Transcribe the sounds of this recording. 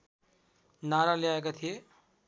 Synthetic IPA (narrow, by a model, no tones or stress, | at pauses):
naːɾaljaːekat̪ʰije